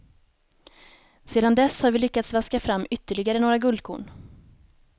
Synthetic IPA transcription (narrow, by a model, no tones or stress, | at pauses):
seːd̪and̪ɛshaɾvɪlʏkːat̪svaskafɾamːʏt̪ːəɭɪɡaɾənoːɾaɡɵld̪̚kʰṵːɳ